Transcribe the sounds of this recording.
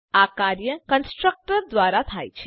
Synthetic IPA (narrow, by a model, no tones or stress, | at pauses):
akaɾjəkənsʈɾək̚ʈəɾd̪ʋaɾat̪ʰa̰jt͡ʃʰe